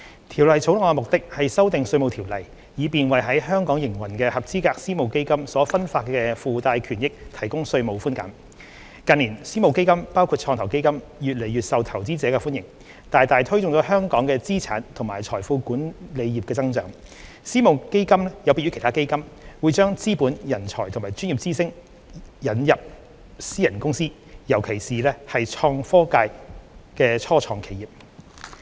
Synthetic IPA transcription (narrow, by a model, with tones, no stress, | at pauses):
t̪ʰi˨˩wlɐ˨jt͡sʰo˨˥wlʊ˨˧mʊ˨k̚t̪ɪ˥k̚hɐ˨jsɐ˥wt̪ɪ˨ŋsɵ˧ɥmo˨˧wt̪ʰi˨˩wlɐ˨˩j | jiː˨˧piː˨nwɐ˨jɦɐ˨˥jɦœː˥ŋkɔː˨˥ŋjɪ˨˩ŋwɐ˨˩nkɛ˧hɐ˨p̚t͡siː˥kaː˧k̚siː˥mo˨wke˥jkɐ˥msɔː˨˥fɐ˥nfaː˧t̚kɛː˧fuː˨˧t̪aː˧jkʰyː˨˩njɪ˥k̚t̪ʰɐ˨˩jkʊ˥ŋsɵ˧ɥmo˨˧wfuː˥nkɐ̰˨˥m | kɐ˨˧nliː˨˩nsiː˥mo˨wke˥jkɐ˥mpaː˥wkʰu˧t̚t͡ʃʰɔː˧t̪ʰwke˥jkɐ˥m | jyː˨t̚le˨˩jɥyː˨t̚sɐ˨wt̪ʰɐ˨˩wt͡siː˥t͡sɛː˨˧˥kɛ˧fuː˥njɪ˨˩ŋ | t̪aː˨jt̪aː˨jt̪ʰɵ˥ɥt͡sʊ˨ŋt͡sɔː˨˥ɦœː˥ŋkɔː˨˥ŋkɛː˧t͡siː˥t͡sʰa̰ː˨˥nt̪ʰʊ˨˩ŋmaː˨˩jt͡sʰɔː˨˩jfuː˨˧kuː˨˥nle˨˧jjiː˨p̚kɛː˧t͡sɐ˥ŋt͡sœ̰ː˨˥ŋ | siː˥mo˨˧wke˥jkɐ˥mlɛ˥jɐ˨˧wpiː˧y˥kʰt̪ʰaː˥ke˥jkɐ˥mwuː˨˧jt͡ʃœː˥ŋt͡siː˥puː˨˥njɐ˨˩nt͡ʃʰɔː˨˩jt̪ʰʊ˨˩ŋmaː˨˩jt͡ʃyː˥nji˨p̚t͡siː˥sɪ˥ŋ | jɐ˨˥njɐ˨p̚ | siː˥jɐ˨˩nkʊ˥ŋsiː˥ | jɐ˨˩wkʰe˨˩jsiː˨lɛː˥hɐ˨jt͡ʃʰɔː˧ŋfɔː˥kaː˧jkɛː˧t͡ʃʰɔː˥t͡ʃʰɔː˨˩ŋkʰe˨˩jiː˨p̚